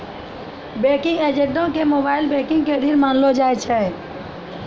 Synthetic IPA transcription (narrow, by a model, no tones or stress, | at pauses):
beːkɪ̃ŋɡeːd͡ʒeɖõkemoːbaːɪlbekɪ̃ŋɡked̪ʱiɾmaːnlod͡ʒaːɛt͡ʃʰɛ